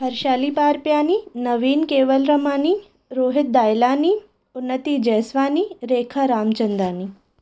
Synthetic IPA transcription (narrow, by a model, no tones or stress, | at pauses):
pʰɐɾʃaːlipaːɾpjaːninɐʋiːnkeːʋəlɾɐmaːni | ɾoːɦɪt̪̚d̪aːjlaːni | ʊnːət̪id͡ʒɛːsʋaːniɾeːkʰaɾaːmt͡ʃənd̪aːniː